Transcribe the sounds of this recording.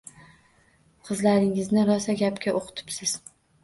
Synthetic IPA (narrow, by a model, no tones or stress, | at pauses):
qʰɨzlaɾɪŋɪznɪɾɒsaɡʲapkʲaʔoqʰɨ̥t̪ʰɪ̥psɪz̥